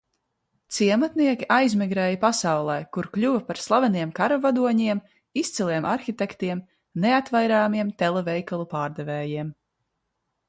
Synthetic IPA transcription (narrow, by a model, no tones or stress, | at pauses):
t̪siɛmat̪niɛkʲiʔajzmiɡɾɛːjapasawlˠɛjkuɾklʲuvɐpaɾslˠavɛniɛmkaɾɔvad̪uɔɲiɛm | ist̪silˠiɛmʔaɾxit̪ɛkt̪iɛm | neat̪vajɾaːmiɛmt̪ɛlˠɛvɛjkalˠupaːɾd̪ɛvɛːjiɛm